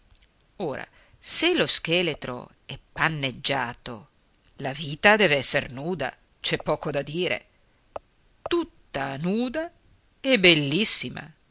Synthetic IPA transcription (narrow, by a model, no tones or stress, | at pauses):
oːɾa̰ | selosk̟eːlet̪ɾo̰ | ɛpːanːed͡ʒːaːt̪o̰ | laviːt̪ad̪ɛːveɛsːernuːd̪a̰ | t͡ʃɛpːɔːkod̪ad̪iːɾḛ | t̪ut̪ːanuːd̪a | ebelːisːima̰